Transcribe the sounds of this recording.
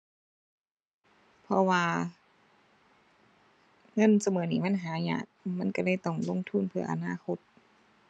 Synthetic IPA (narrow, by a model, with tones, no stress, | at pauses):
pʰɔ˧waː˧ | ŋɤ˧˥˨nsa˧mɤː˩˦niː˧˩ma˧˥˨nɦaː˨˦ɲa̰ː˧˩t̚ma˧˥˨nka˧˩lɤː˧˩˨jt̪ɔ˧˩ŋlo˧˥˨ŋt̪ʰu˧˥˨npʰɯ˧˩ɐʔa̰˧naː˧˨kʰo˧˦t̪̚